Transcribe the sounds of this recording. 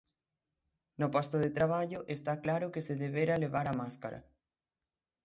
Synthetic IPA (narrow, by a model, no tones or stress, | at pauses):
nopost̪oðet̪ɾaβ̞aʎʊʔest̪aklaɾʊkeseðeβ̞eɾaleβaɾamaskaɾʔa̰